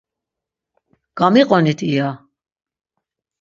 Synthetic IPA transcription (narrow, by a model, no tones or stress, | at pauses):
ɡ̥amiqʼɔnit̪ʰʼija